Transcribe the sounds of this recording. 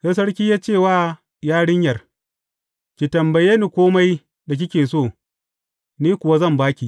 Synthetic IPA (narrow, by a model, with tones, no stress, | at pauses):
hɐ˦s̬ɐ˦ɽkʲiː˦jaː˦t͡ʃeː˦˨waː˦˨ | jaː˦ɽɪ˦ɲjɐ˨r | kʲi˨tɐ˨mbɐ˨jeː˦niː˨kʷoː˦ma˦j | da˨k̬ʲɪ˦kʲeː˨soː˦˨ | niː˦kʷʊ˨wa˦zɐ˦˨mbaː˦kʲi˨